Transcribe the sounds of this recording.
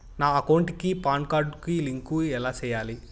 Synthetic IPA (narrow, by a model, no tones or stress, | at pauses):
naːɐkɐwɳʈikipaːɳkaːɾɖkiliŋkuɛlaːt͡ʃɛːjaːli